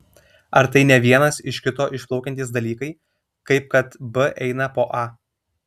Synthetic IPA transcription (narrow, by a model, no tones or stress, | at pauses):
ɐɾt̪ɐɪnʲɛʋʲiɛnɐsɪʃkʲɪt̪oːʔɪʃplˠɒʊkʲɛnt̪ʲiːs̬d̪ɐlʲiːkɐɪ | kɐɪp̚kɐt̪bɨʔɛɪnɐpoːʔɑ